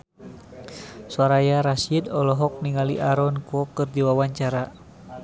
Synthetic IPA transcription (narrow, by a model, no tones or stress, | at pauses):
swaɾajaɾasidɔlɔɦɔk̚niŋalḭʔaɾɔnkuɔkɨrdiwawaɲt͡ʃaɾa